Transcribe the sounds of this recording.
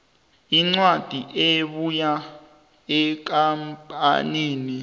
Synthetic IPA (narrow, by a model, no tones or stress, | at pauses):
iŋ͡ǀwad̥ʱiʔeɓuja | ɛk̬ampʼa̰niːni